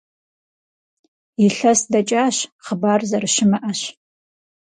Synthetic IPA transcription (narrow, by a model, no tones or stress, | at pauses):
iɬɐsdɐt͡ʃʼaːɕχəbaːrzɐrɨʃɪmɐʔɐɕ